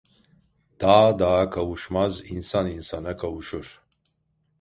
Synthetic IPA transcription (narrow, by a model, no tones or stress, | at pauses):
d̪̥aːd̪akʰɐwuʃmazinsaninsanɐkʰɐuʃuɾ